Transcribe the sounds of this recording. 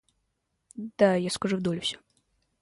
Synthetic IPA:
d̪̥ajaskɐʐuvd̪ɔlʲfsʲɔ̥

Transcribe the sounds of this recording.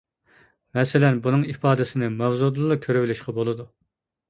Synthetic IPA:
mɛsɪlɛnbunɨŋipɑːd̪ɪsɪnɪmæwzud̪lˠlˠɑkʲʰøɾywɪlɪʃqɑbolˠɨd̪u

